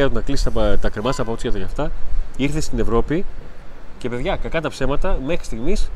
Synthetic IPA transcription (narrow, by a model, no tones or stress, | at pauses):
ɐt̪unɐklisi̥t̪ɐpt̪ɐkɾemɐst̪ɐpɐot̪sʝɐt̪oʝɐft̪ɐiɾθe̞st̪ine̞vɾo̞pi | ce̞pe̞ðʝɐkɐkɐt̪ɐpse̞mɐt̪ɐme̞xɾist̪iɣmis